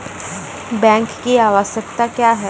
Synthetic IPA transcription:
bɛ̃ːŋkːiaːʋasək̚t̪akjaːɦɛː

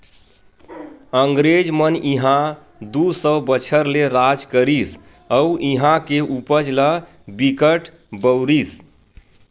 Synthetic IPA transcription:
əŋɡɾed͡ʒməniɦã | d̪usəbət͡ʃʰəɾleɾad͡ʒkəɾis | əuʔiɦãkeʔupəd͡ʒlə | bikəʈ | bəwɾis

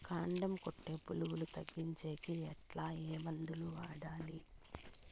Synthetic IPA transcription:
kaːɳɖɐmkoʈːe̞ːpuluwulut̪ɐɡːiɲt͡ʃeːkiɛʈlaːeːmɐnd̪uluʋaːɽaːli

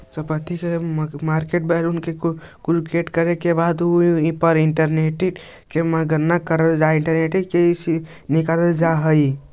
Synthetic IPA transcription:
səpət̪ikemaɾkeʈ̚bɛlunkekɾukeʈkəɾekebad̪uipəɾiɳʈəɾneʈi | keməɡəɾnakəɾəld͡ʒaiɳʈəɾneʈikesi | nikaɾəld͡ʒaɦəi

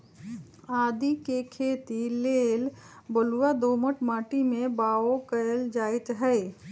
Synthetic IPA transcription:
aːd̪ikekʰeːt̪ileːlbəluwad̪oːməʈmaːʈimẽbaːokəəld͡ʒaːɪt̪ɦɛɪ

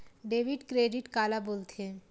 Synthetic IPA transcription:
ɖeːʋiɖkɾeːɖiʈkaːlaboːlt̪ẽ

